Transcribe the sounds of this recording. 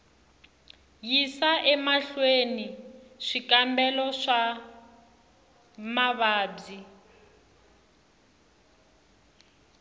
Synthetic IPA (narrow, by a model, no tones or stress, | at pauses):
jisaʔɛmaɬweniʂikambɛlɔʂa | maβaːb͡ʐi